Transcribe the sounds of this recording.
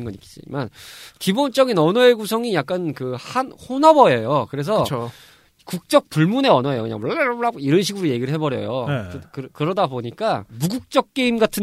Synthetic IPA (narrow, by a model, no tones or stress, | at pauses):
nɡʌɲikid͡ʑḭmankibont͡ɕ͈ʌɡinʌnʌeɡusʰʌŋijak̚k͈ankɯhanhonabʌejokɯɾe̞s̬ʰʌo | kuk̚t͡ɕ͈ʌk̚p͈uɭmune̞ʌnʌejokɯɲa̰ŋboɭɭaiɾʌnɕʰiɡuɾoje̞ɡiɾɯɭɦebʌɾjʌ̰jokɯkɯɾʌdaboɲik͈amuɡuk̚t͡ɕ͈ʌk̚k͈e̞imɡatʰɯn